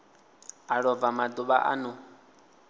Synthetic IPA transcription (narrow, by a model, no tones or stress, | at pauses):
aɺɔb̪vamad̪uɓa̰ʔa̰nu